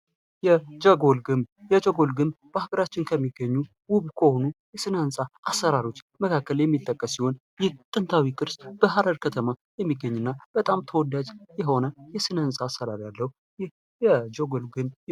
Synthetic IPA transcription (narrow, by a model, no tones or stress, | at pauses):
jɛd͡ʒəɡolɡɨmjɛd͡ʒoɡolɡɨmb̥ahaɡəɾat͡ʃːɪnkʰəmːiɡːəɲːu | wʊβkʰohonujɛsɨnəɨnsʼaʔasːəɾaɾo̞t͡ʃːməkʰakːəljɛmːit̪ʼːəkʼːəsːiho̞n | jɪt̪ʼɨnt̪ʰawikʼɨɾsb̥əɦaɾəɾkʰət̪ʰəmajɛmːiɡːəɲːunːab̥ət̪ʼamt̪ʰəwɔd̪ad͡ʒjɛɦo̞nəjɛsɨnəɨnsʼaːsəd̪aɾjalːəhu | j | jɛd͡ʒoɡolɡɨn